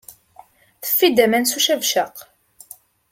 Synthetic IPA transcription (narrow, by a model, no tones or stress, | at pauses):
θə̥fːid̪æmænsuʃævʃəq